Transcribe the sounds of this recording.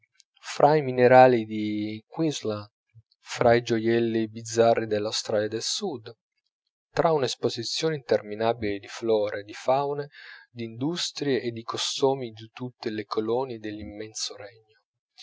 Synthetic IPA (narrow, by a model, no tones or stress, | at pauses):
fɾʔaimineɾaːlid̪ikwizlan | fɾaid͡ʒojɛlːibid̪zːarːid̪elːawst̪ɾaːljad̪elsud̪ | t̪ɾʔaunespozit̪sːjoːneint̪erminaːbiled̪iflɔːɾʔed̪ifawned̪ind̪ust̪ɾjeʔːd̪ːikost̪oːmid̪it̪ut̪ːelekʰolɔːnid̪elːimːɛnsoɾɛɲːo